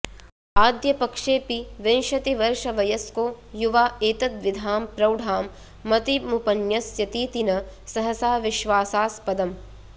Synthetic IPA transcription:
aːd̪jɐpɐkʂeːpiʋenʃɐt̪iʋɐɾʃɐʋɐjɐskoː | juʋaːeːt̪ɐt̪ʋid̪ʱaːmpɾɐwɖʱaːmː | ɐt̪imupɐnjɐsjɐt̪iːt̪inɐsɐɦɐsaːʋiʃʋaːsaːspɐd̪ɐm

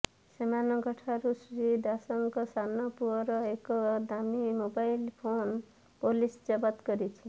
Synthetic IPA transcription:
semanɔɡəʈʰaɾusɾid̪asəŋkʌsanɔpuɔɾɔekɔd̪amimobailpʰon | polisd͡ʒʌbat̪kʌɾit͡ʃʰi

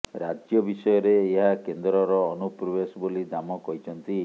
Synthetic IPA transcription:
ɾad͡ʒjɔbisɔjɔɾeːɦakend̪ɾɔɾɔːnupɾɔbesɔbolid̪amɔkɔɦit͡ʃʰɔnt̪i

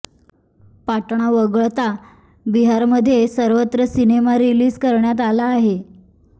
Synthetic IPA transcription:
paʈɳ̃aʋəɡəɭt̪a | biɦaɾməd̪ʱːjesəɾʋət̪ɾəsinemaɾiliːd͡zkəɾɳjat̪̬alaːɦe

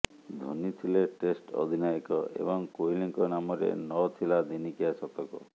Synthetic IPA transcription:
d̪ʱonit̪ʰileʈesʈɔ̰d̪ʱinajekɔḛbɔŋkoiliŋkɔnamɔɾḛnɔt̪ʰilad̪inikiasɔt̪ɔkɔ

